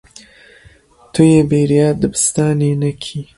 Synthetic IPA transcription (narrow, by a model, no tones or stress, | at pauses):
t̪ʰujeːbeːɾijɑːd̪ɨbɨst̪ɑːnenakʰi